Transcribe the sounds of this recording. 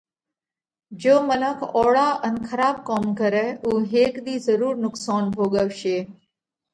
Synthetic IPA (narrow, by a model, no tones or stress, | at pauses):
d͡ʑoːmənəkʰɔːɽaːʔənkʰəɾaːb̚kɔːmkəɾɛuːɦeːkɗ̪iːzəɾuːɾnʊksaːnbʱoːɠəʋʃeː